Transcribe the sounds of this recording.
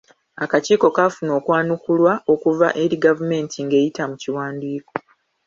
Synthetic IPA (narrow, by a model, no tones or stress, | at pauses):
akaciːko̞kafuno̞ːkwaːnukulwao̞kuva̰ʔe̞ɾiɡavume̞ːntiŋɡe̞ːjitamuciwaːndiːko̞